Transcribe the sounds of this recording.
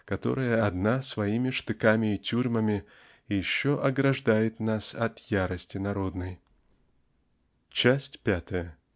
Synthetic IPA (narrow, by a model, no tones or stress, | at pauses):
kɐt̪o̞̰ɾɨjəɐd̪nasvɐimʲɪʂt̪ɨkamʲɪːtʲuɾʲməmʲɪ | jɪɕːoʔɐɡɾɐʐd̪ajɪt̪nasɐt̪jaɾəsʲtʲɪnɐɾo̞d̪nəj | t͡ɕæsʲtʲpʲat̪əjə